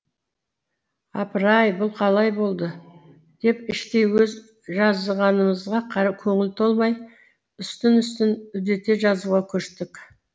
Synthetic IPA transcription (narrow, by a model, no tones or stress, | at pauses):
ɑ̰pəɾɑjbʊlˠqʰɑlˠɑjbo̞lˠd̪ə | d̪̥e̞pɪʃt̪e̞jwɵz | ʒɑzəʁɑnəməzʁɑqʰɑɾɑkʲʰɵŋɪlt̪ʰolˠmɑj | ʏst̪ɪnʏst̪ɪnʏd̪e̞t̪e̞ʒɑzuʁɑkʲʰɵɾʃt̪ɪk